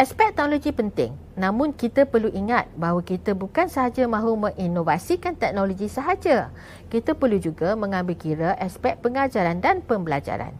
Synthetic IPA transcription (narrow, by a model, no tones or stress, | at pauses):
ʔɛspɛk̚t̪ɛk̚noloɡipənt̪ɪ̰ŋ | nãmʊ̃nkit̪əpərluʔiŋat̪̚baɦwakit̪əbukansəɦad͡ʒəmãɦumə̃ŋʔinovasikant̪ɛk̚noloɡisəɦad͡ʒə | kit̪əpərlud͡ʒuɡamə̃ŋãmbɪlkiɾəʔɛspɛk̚pəŋad͡ʒaɾandanpəmbəlad͡ʒa̰ɾa̰n